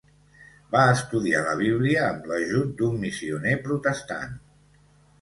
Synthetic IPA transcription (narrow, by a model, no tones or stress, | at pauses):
baəst̪uðialəβiβliəːmləʒut̪̚d̪umːisiunepɾut̪əst̪a̰n